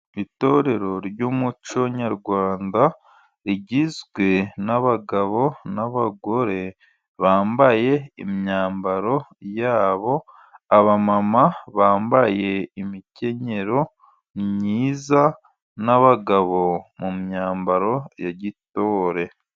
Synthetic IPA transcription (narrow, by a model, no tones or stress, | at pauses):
ito̞ːɾe̞ɾo̞ɾjuːmut͡ʃo̞ɲaɾɡwaːnda | ɾiɟizɡwe̞naβaɡaβo̞naβaɡo̞ɾe̞ | βaːmbaje̞ḭmɲaːmbaɾo̞jaːβo̞ | aβamamaβaːmbaje̞imice̞ɲe̞ɾo̞ | mɲiːza | naβaɡaβo̞mumɲaːmbaɾo̞jaɟito̞ːɾe̞